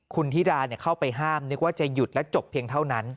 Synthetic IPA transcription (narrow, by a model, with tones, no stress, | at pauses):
kʰu˧nt̪ʰiː˥˩daː˧ni˥˩ɐkʰa˥˩wpa˧jɦaː˥˩mnɯ˦˥k̚waː˥˩t͡ɕa˨˩ju˨˩t̪̚lɛ˦˥t͡ɕo˨˩pʰːi˧əŋt̪ʰa˥˩wna˦˥n